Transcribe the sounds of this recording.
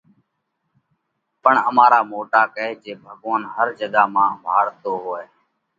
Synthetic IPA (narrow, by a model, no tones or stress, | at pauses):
pəɳəmaːɾaːmoːʈaːkəeːd͡ʒeːbʱəɠoːnɦəɾd͡ʒəɡaːmãːbʱaːɾt̪oːɦoːeː